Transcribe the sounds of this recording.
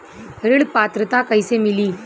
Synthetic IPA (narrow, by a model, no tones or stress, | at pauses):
əɾəɭpat̪ɾət̪akəjsemiliː